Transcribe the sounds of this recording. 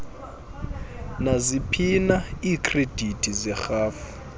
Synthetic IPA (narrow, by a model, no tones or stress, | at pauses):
nazipʰinaiːkʰred̥ʱitʼizɛxaːfu̥